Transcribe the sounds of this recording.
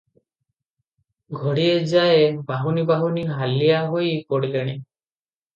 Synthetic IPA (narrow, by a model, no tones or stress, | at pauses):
ɡʱɔɽied͡ʒaebaɦunibaɦuniɦalijaɦojpoɽileɽ̃e